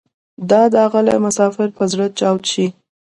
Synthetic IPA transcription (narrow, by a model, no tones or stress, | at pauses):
d̪ɑd̪əaɣəla̰jmʊsɑfɪɾpəzɽət͡ʃɑwt̪ʃi